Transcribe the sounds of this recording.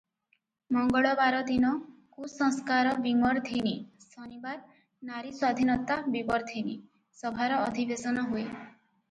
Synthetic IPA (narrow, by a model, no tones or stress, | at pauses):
mɔŋɡɔɭɔbaɾɔd̪inɔkusɔ̃ŋskaɾɔbimɔɾt̪ʰinisɔnibaɾ | naɾiswad̪ʱinɔt̪abibɔɾd̪ʰʱini | sɔbʱaɾɔːd̪ʱibesɔnɔɦue